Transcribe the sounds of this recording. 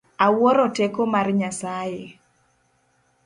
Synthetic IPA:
awɔɾɔtekomarɲasaje

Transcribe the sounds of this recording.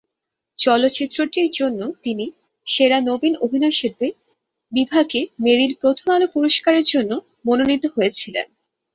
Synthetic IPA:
t͡ɕɔlot̪ːɕit̪ːɾoʈiɾd͡ʑonːot̪ini | ʃeɾanobinobʱinaʃeɾbe | bibʱaɡemeɾiɾpɾot̪ʰomalopuɾoʃkaɾeɾd͡ʑonːo | mononit̪ːoɦojet͡ɕʰilḛn

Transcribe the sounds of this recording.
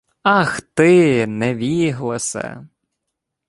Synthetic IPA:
ɐxt̪ɪnɛʋʲiɦlˠɪsɛ̰

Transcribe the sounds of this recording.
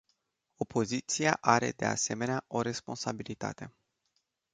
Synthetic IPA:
o̞pʰo̞zit̪sijaʔaɾe̞̰d̪e̞a̰se̞me̞neaʔo̞ɾe̞spo̞nsabilit̪a̰t̪e̞

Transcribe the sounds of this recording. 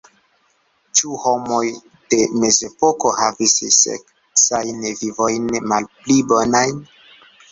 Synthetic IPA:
t͡ʃuhomo̞j | de̞me̞ze̞poko̞havisḭsḛk | sajnvivojnmalplibonajn

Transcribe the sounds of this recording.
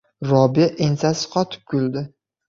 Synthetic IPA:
ɾɒbɪʔensasɪ̥qʰɒt̪ʰɪ̥p̚kʰʲuld̪ɪ

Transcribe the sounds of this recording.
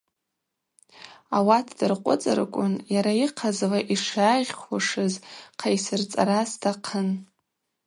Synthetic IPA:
awatʰdɨrqʷʼʊ̰t͡sʼɨ̰rkʷʼʊnjaɾaiqʰazlaʔiʂaːwaʂɨzqʰajsɨrt͡sʼa̰ɾasdaqʰən

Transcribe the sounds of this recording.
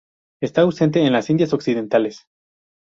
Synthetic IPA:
e̞st̪aːwse̞nt̪̬eːnlasind̪jaso̞ksið̞e̞nt̪ales

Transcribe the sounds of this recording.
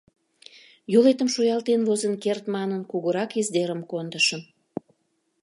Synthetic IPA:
jolet̪əmʃojɑlt̪envozənkert̪mɑnənkuɣəɾɑkizd̪eɾəmkond̪əʃən

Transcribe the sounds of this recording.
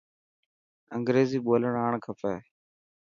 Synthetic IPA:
əŋɡɾeːziːɓoːləɳaːɳkʰəfɛː

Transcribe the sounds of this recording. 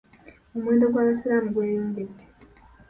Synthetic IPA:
omwe̞ːndo̞ɡwaβasiɾamuɡweːjoːŋɡedːe

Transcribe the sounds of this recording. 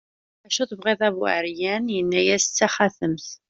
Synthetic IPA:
æʃuθəvʁeðˤævə̰ʕɾjænjənːæjæst͡sːæχæθəmθ

